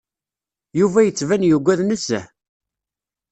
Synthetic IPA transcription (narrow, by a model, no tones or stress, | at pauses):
juvæjət͡sːvænjəɡʷːæðnəsæ